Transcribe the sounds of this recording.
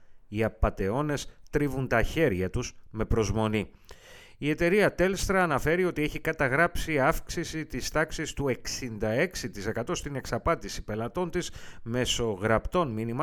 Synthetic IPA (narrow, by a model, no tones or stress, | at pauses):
iɐpɐt̪e̞o̞ne̞st̪ɾivunt̪ɐçe̞ɾʝɐt̪uzme̞pɾo̞zmo̞ni | ie̞t̪e̞ɾiɐt̪e̞lst̪ɾɐːnɐfe̞ɾio̞t̪ie̞çikɐt̪ɐɣɾɐpsiɐfksisit̪ist̪ɐksist̪ue̞ksind̪ɐe̞ksit̪ise̞kɐt̪o̞st̪ine̞ksɐpɐt̪isi̥pe̞lɐt̪o̞nt̪isme̞so̞ɣɾɐpt̪o̞nminimɐ